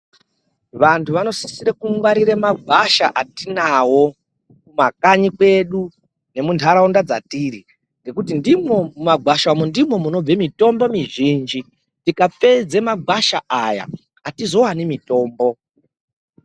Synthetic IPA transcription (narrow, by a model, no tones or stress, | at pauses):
ʋantʰuʋano̞si̥siɾekuŋwaɾiɾemaɡʱaʃaʔatinawo̞ | kumakaɲikwe̞ɗu | ne̞muntʰaɾaundad͡za̰tiːɾi | ŋɡe̞kutindimo̞mumaɡʱwaʃamondimo̞muno̞b͡vemito̞mbo̞miʒind͡ʒi | tikap͡fe̞d͡zemaɡʱaʃaʔaja̰ | atizo̞wanimito̞ːmbo̞